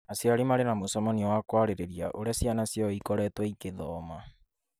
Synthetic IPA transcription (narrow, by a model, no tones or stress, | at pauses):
asiaɾimaɾenamosɔmɔniɔwakwaɾeɾeɾiaʔoɾasianasiɔikɔɾɛtwaikeðɔːma